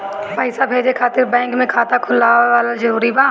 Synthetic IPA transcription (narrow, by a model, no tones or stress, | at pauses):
pəɪsabʱeːd͡ʒekʰaːt̪ɪɾbɛ̃ːŋkmẽkʰaːt̪akʰʊlaːaːlad͡ʒɐɾuːɾibãː